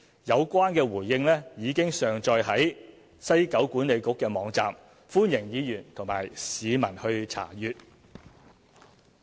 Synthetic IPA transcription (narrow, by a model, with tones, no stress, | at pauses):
jɐ˨˧wkʷaː˥nkɛː˧wuː˨˩jːɪ˧ŋlɛː˥jiː˨˧kɪ˥ŋsœː˨ŋt͡ʃɔː˧jɦɐ˨˥j | sɐ˥jkɐ˨˥wkʷuː˨˥nle˨˧jkʊ˨˥kːɛː˧mɔː˨˧ŋt͡sa̰ː˨m | fuː˥njɪ˨˩ŋjiː˨˧jyː˨˩nt̪ʰʊ˨˩ŋma̰ː˨˩jsiː˨˧mɐ˨˩nhɵ˧ɥt͡sʰa̰ː˨˩jyː˨t̚